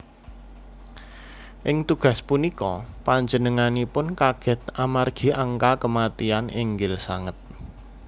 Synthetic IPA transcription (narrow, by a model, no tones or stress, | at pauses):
ʔɪŋt̪uɡ̥a̤spunikɔpaɲd͡ʒənəŋanipʊnkaɡ̥ɛ̤t̪̚amarɡ̥i̤aŋkakəmat̪ianɪŋɡɪlsa̰ŋət̪̚